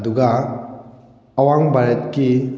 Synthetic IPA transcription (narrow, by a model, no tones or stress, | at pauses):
duɡa | waŋbaɾɛt̪ki